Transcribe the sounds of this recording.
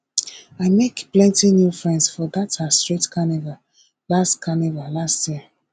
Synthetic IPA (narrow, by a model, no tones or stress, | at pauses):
aɪmekplɛ̃ntinjufɹɛ̃ndsfɔdatastɹ̥itkʰaniva | lastkʰanivalastjiə